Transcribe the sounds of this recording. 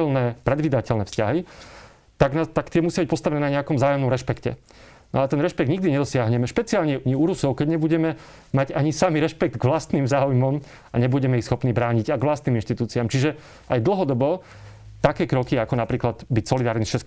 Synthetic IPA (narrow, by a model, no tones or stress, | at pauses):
ɛlnɛːpɾɛd̪ʋiːd̪acɛlnɛːfscaɦi | t̪aɡnat̪akt̪ɪɛmusjabic̚pɔst̪aʋɛnɛːnaɲɛakɔmzaːjɔmnɔmɾɛʃpɛkcɛ̰ | nɔ̰at̪ɛnɾɛʃpɛɡd̪ɲiɡd̪iɲɛd̪ɔsɪaɦɲɛmɛʃpɛt͡siaːʎɲɛɲɛuɾusɔʊkɛɟɲɛbuɟɛmɛ | maɟaɲisamiɾɛʃpɛɡ̚d̪ɡʋlast̪niːmzaːujmɔm | a̰ɲɛbuɟɛmɛixsxɔpniːbɾaːɲiɟajɡʋlast̪niːminʃt̪it̪uːt͡siamt͡ʃiʒɛ | ajd̪l̩ˠɦɔd̪ɔbɔ | t̪akɛːkɾɔkiakɔnapɾiːklad̪̥bicsɔlid̪aːɾnisʃɛ